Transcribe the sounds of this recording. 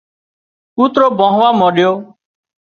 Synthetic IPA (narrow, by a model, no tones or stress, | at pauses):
uːt̪ɾoːbɔ̃ɦʋaːmɔɗjoː